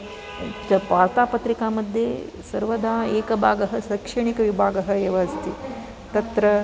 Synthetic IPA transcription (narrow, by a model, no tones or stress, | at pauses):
t͡ʃɐpaːɾt̪aːpɐt̪ɾikaːmɐd̪ʱje | sɐɾʋɐd̪ʱaːeːkɐbʱaːɡɐɦɐsɐkʂɐɳikɐʋibʱaːɡɐɦɐeːʋɐɦɐst̪i | t̪ɐt̪ɾɐ